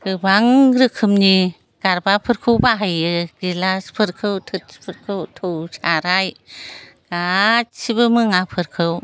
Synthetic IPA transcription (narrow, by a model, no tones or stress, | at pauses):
ɡɯbaŋɾɯkʰɯmni | ɡ̥aɾbapʰɯɾkʰɯwbaɦajɯɡ̥ilaspʰɯɾkʰɯwtʰɯt̚spʰɯɾkʰɯwtʰowsaɾaj | ɡ̥atsibɯmɯŋapʰɯɾkʰɯw